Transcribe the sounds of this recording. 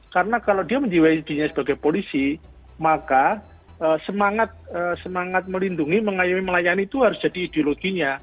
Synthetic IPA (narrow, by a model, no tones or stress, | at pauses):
kaɾənakalodiaməɲd͡ʒiwaid͡ʒ̥iɲasəb̥aɡajpolisi | maka | əːsəmaŋat̪̚əsəmaŋat̪̚məlinduŋiməŋajamiməlajaniːt̪uɦaɾʊsdd͡ʒ̥ad̥iːd̥eoloɡ̥iɲa